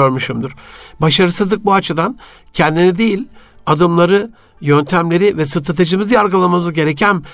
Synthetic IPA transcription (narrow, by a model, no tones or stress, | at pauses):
øɾmyʃumd̪uɾ̥baʃaɾɯsɯzlˠɯk̚buat͡ʃʰɯd̪an | cʰɛnd̪inid̪ejilʲ | ad̪ɯmlˠaɾɯ | jønt̪ʰæmlʲe̞ɾivɛsɯt̪ʰat̪ʰed͡ʒɯmizijaɾɡɯlˠamamɯzɟe̞ɾecʰæn